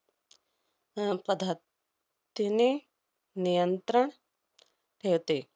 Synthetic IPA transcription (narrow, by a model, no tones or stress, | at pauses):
pɐd̪ʱa | t̪ini | nijənt̪ɾəɳ̃ | ʈ̪ʰet̪i